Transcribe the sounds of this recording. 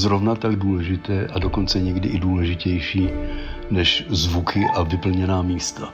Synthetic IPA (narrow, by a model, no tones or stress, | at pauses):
zɾo̞vnat̪aɡduːlɛʒɪt̪ɛːʔadoko̞nt͡sɛɲɛɡdɪʔɪduːlɛʒɪcɛjʃiːnɛʃzvukʰɪʔavɪpl̩ɲɛnaːmiːst̪a